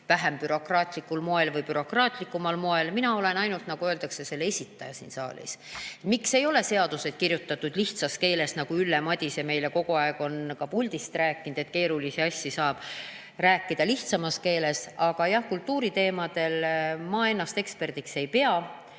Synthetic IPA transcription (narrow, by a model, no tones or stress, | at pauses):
væɦempyɾo̞krɑːt̪ˑlikːˑulmo̞e̞lvɯjpyɾo̞krɑːt̪ˑlikːˑumɑlmo̞e̞lminɑo̞le̞nɑjnult̪nɑɡ̥uøːld̪ɑkse̞se̞lːeesʲit̪ːˑɑjɑsḭːnsɑ̰ːlʲḭset̪mikse̞jo̞le̞se̞ɑd̪̥use̞d̪̥̚kirjut̪ːˑɑt̪ːˑud̪̥liht̪sɑske̞ːle̞snɑɡ̥uylːe̞mɑd̪̥ʲisjeme̞jle̞ko̞ɡ̥uɑeɡ̥o̞nkɑpulʲd̪̥ist̪ræːkːˑind̪̥e̞t̪̚ke̞ːɾulisiɑsʲːisɑːb̥ | ræːkːˑid̪̥ɑliht̪sɑmɑske̞ːle̞sɑɡ̥ɑjɑhkult̪ːˑuːɾit̪e̞ːmɑd̪̥e̞lmɑːe̞nːɑst̪e̞kspe̞rd̪̥ikse̞jpe̞ɑ